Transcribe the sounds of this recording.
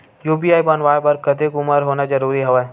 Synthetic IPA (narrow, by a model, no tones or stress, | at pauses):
juːbijaːibɐnʋaːepɐɾkɐd̪ekʊməɾɦoːnad͡ʒɐɾuːɾiɦoʋɛ